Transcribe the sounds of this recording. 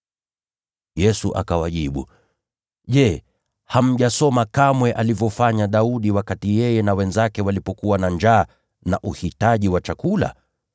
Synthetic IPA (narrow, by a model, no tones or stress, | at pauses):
jɛsuʔa̰kawaʄiɓṵ | ʄɛ | ham̩ʄasɔmakamwɛʔalivjɔfaɲaɗauɗiwakatijɛjɛnawɛnzakɛwalipɔkuwanand͡ʒaː | na̰ʔuhitaʄiwat͡ʃakula̰